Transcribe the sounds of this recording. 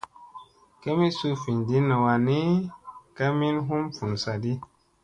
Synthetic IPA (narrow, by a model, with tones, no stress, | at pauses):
ke˦mi˦su˦fi˨ndi˦na˨wa˨ni˦ka˦mi˦nɦu˦mfu˨n˨sa˨di˦